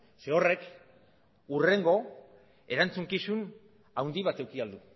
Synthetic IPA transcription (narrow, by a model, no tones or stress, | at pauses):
seore̞k | ure̞ŋɡo̞ | e̞ɾant͡suŋkisun | awnd̪iβat̪e̞wkiald̪u